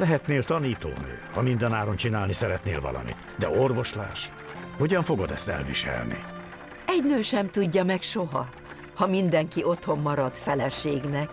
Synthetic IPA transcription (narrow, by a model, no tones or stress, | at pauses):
lɛɦɛt̪neːlt̪ɒniːt̪o̰ːnø̰ːhɒmind̪ɛnaːɾo̞nt͡ʃinaːlnisɛɾɛt̪nḛːlvɒ̰lʔɒ̰mḭt̪d̪ɛ̰o̞rvo̞ʃla̰ːʃ | hoɟɒɱfo̞ɡo̞d̪ɛ̰st̪ɛ̰lvḭʃɛ̰lnḭ | ɛɟnøːʃɛmt̪uɟːɒmɛkʃo̞ɦɒ | hɒmind̪ɛŋkiʔo̞t̪ho̞mːɒɾɒd̪fɛlɛʃeːɡnɛk̚